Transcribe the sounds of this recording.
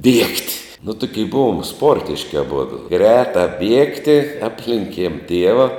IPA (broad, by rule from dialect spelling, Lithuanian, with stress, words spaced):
ˈbʲiɛktʲ nʊ ˈtʊkʲiɛ ˈbʊʋoːm ˈspoːrʲtʲɪʃʲkʲɪ ɐˈbʊdʊ ˈɡrʲæːtɑː ˈbʲiɛktʲɪ ˈɑːpʲlʲɛŋʲkʲiɛm ˈtʲiɛʋɐ